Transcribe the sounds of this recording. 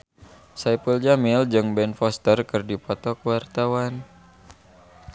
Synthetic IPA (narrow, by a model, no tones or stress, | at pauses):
sajpəld͡ʒamild͡ʒɨŋbɛnfɔst̪ərkɨrdipɔt̪ɔkəwart̪awan